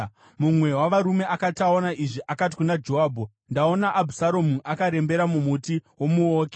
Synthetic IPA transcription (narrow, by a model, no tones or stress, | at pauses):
mumwe̞waʋaɾume̞akataonaʔiʐiʔakat̬i̥kunad͡ʒo̞ɦaːbʱo | ndao̞naʔːbʱusaɾomuʔakaɾe̞mbe̞ɾamumutiwo̞muoːke